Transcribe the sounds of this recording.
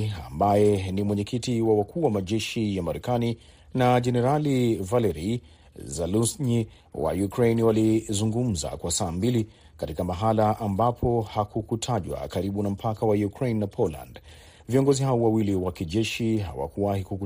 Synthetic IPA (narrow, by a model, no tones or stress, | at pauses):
ambajɛnimwɛɲɛkitiwawakuːwamaʄɛʃijamaɾɛkani | naʄɛnɛɾalivalɛɾi | zalusɲi | wa̰jukɾejniwalizuŋɡum̩za̰kwasaːmbili | katikamaɦalaʔambapʰɔhakukutʰaʄwa̰kaɾiɓunam̩pʰakawajukɾejnːapʰɔla̰nd | viɔŋɡɔziɦaɔwawiliwakiʄɛʃiɦa̰wa̰kuwahikuku